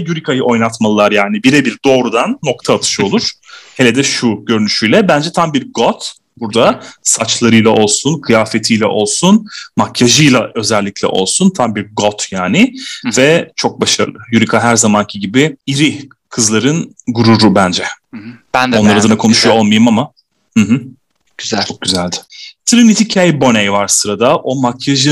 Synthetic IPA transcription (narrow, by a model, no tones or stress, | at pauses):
juɾikʰajɯʔo̞jnˠat̪malˠɯlːˠaɾjaːnibiɾɛbiɾd̪o̞ːɾud̪anːo̞kt̪ʰaːt̪ʰɯ̥ʃɯo̞lˠuɾ̥helʲɛd̪ɛʃuɟø̞ɾynyʃyjlʲɛbænd͡ʒɛt̪ʰambiɾɡot̪ | buɾd̪asat͡ʃlˠaɾɯjlˠaʔo̞lˠsunkʰɯjaːfet̪ʰijlʲɛ̰ʔo̞lˠsunmacʰjaʒɯjlˠaʔø̞zɛlʲːicʰʲlʲɛ̰ʔo̞̰lˠsunt̪ʰambiɾɡo̞t̪ʰjaːnɪvɛt͡ʃʰok̚baʃaɾɯlˠɯjuɾikʰaɦæɾzamancʰiɟibɪiɾɪ | kʰɯzlˠaɾɯnɡuɾuɾubænd͡ʒɛbæno̞nlˠaɾad̪anakʰo̞nuʃujoo̞lˠmajɯmama | hɯɦɯ̥ | zt͡ʃʰok̚ɟyzælʲd̪ɪ̥t̪ʰɾinit̪ʰicʰajibo̞nejvaɾsɯɾad̪aʔo̞makʰːaʒɯ